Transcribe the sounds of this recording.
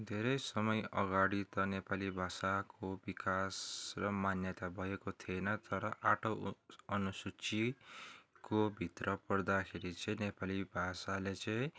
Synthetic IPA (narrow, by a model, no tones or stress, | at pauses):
d̪ʱeɾʌjsʌmʌjʌɡaɽit̪ʌnepalibʱasakobikasrʌmanjʌt̪abʱʌekot̪ʰienʌt̪ʌɾʌʔaʈʰoʌnusut͡si | kobʱit̪rʌpʌrd̪akʰeɾit͡sʌĩnepalibʱasalet͡sʌĩ